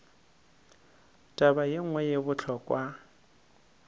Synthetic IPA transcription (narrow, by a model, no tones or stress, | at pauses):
tʼabajeŋ̩ŋwɛjebʊt͡ɬʰɔkʼwa